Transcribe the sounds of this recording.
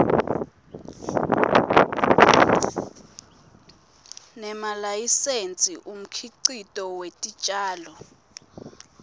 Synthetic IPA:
nɛmalajisent͡sʼiʔum̩kʰiǀitʼɔwetʼit͡ʃʼaːlɔ

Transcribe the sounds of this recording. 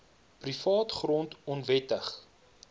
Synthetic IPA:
prifɑːtχrɔntɔnvɛtəχ

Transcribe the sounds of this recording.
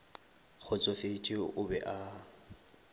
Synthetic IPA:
k͡xʰʊt͡sʼɔfet͡ʃʼɪʊbɛʔa

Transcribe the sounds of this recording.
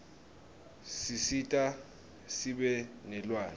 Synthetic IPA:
sisitʼa | siɓɛnɛlwaːn

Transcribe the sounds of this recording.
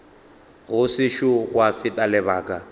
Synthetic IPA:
ɣʊsɪʃʊɣwafɪtʼalɪbaːkʼa

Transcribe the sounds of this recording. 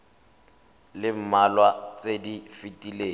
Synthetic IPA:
lɪm̩malwat͡sʼedifitʼileː

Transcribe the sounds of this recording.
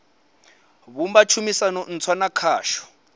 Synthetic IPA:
βumbat͡ʃʰumisanɔn̩t͡sʰwanakʰaːʃɔ̥

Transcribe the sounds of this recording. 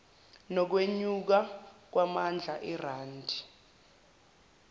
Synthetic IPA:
nɔk̬weɲuk̬ak̬wamand͡ɮʱaʔɛraːndʱi

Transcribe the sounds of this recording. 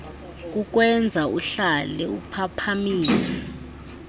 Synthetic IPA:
k̬ʼuk̬wɛnd͡zʱauɬalɛupʰapʰamiːlɛ

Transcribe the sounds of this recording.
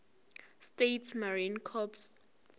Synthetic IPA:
stetʰmaɹinkʰɔps

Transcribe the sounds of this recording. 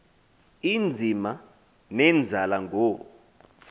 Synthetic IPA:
ind͡zʱima | nɛnd͡zʱalaŋʱoː

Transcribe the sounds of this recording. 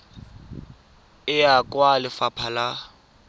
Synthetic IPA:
ɪakʼwalɪfapʰala

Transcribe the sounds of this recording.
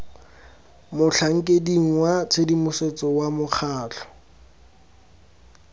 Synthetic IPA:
mʊɬʰaŋ̩kʼediŋ̩wat͡sʰedimʊset͡sɔwamʊχʰaːɬɔ̥

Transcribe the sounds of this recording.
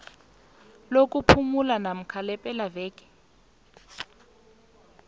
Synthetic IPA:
lok̬ʼupʰumulanam̩kʰalɛpʼɛlavɛːkɛ̥

